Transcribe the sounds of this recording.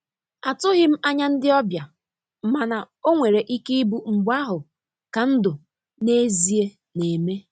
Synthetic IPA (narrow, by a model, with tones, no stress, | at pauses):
a˨tʊ˦ɣɪ˦m̩˦a˦ɲa˦n̩˦dɪ˦ɔ˦bja˨ | m̩˨ma˨na˨ | o˦ŋʷe˨ɾe˨ʔi˦kɪ˦i˦bu˦ŋ͡m̩˨ɡ͡ba˦ɦʊ˨ | ka˨n̩˦dʊ˨ | ne˦zi˨e˦ | ne˨me˦